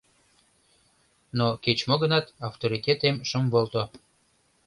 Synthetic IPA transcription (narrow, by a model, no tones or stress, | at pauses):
noket͡ɕmoɣənɑt̪ɑft̪oɾit̪ʲet̪emʃəmvolt̪o